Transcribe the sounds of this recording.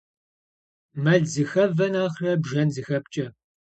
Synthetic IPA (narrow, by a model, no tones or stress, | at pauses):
mɐɮzɨxɐvɐnaːχrɐbʒɐnzɨxɐp̚t͡ʃʼɐ